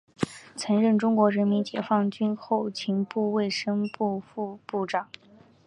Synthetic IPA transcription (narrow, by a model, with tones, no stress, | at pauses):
t͡sʰɤ˧˥ŋɻə˥˩nʈ͡ʂʊ˥ŋkwɔ˧˥ɻə˧˥nmi˧˥nt͡ɕjɛ˨˩fɑ˥˩ŋt͡ɕy˥nxo˥˩ʊt͡ɕʰi˧˥ŋpu˥˧we˥˩ɪʂə˥ŋpu˥˧fu˥˧pu˥˩ʈ͡ʂɑ˨˩˦ŋ